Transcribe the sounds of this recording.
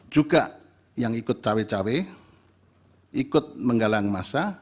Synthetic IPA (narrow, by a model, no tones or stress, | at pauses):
d͡ʒuɡaʔ | jaŋikʊt̪̚t͡ʃawet͡ʃawe | ikʊt̪̚məŋɡalaŋmasa